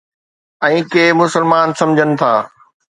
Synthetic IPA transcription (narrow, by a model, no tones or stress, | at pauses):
ɛ̃ːkeːmʊsəlmaːnsɐ̃md͡ʑʱənɪ̆t̪ʰaː